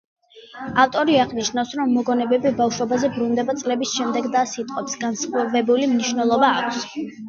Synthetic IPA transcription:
aft̪ʼɔɾiaʁniʃnafsɾɔmːɔɡɔnɛbɛbibafʃwɔbazɛbɾund̪ɛbat̪sʼlɛbisʃɛmd̪ɛɡd̪asit̪ʼqʼɔpsɡ̥ansχvɛbulimniʃwnɛlˠɔbaːkʷʰs

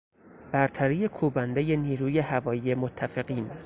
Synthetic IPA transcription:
b̥æɾt̪ʰæɾije̞kʰuːbænd̪ejeniːɾuːje̞hævɒːjije̞mot̪ʰːæfeɣiːn

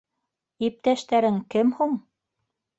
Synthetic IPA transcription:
ip̚t̪æʃt̪æɾɘŋkɘmhuɴ

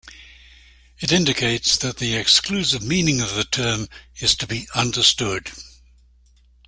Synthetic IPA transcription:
ɨɾɪ̃ndɪkʰeɪtsðət̪̚ðiɪksklʉsɪvmĩnɪ̃ŋʌvðətʰɜːmɪz̥tʰəbiʔʌ̃ndəstʊd̥

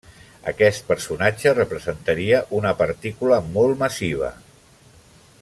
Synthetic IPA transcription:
ə̰kɛst̪̚pəɾsunad͡ʒərəpɾəzənt̪əɾiəʔunəpəɾt̪ikuləmɔlˠt̪məsiβ̞ə̰

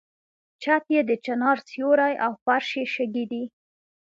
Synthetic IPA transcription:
t͡ʃat̪jed̪ət͡ʃanɑɾsjoɾajʔawfaɾʃjeʃaɡid̪i

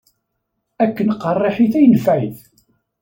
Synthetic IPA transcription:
ækːənqːɑrˤːeħiθæjnəfʕæjθ

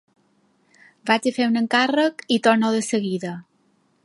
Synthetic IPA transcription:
bad͡ʒəfewnəŋkarəkit̪oɾnoðəsəɣiðə

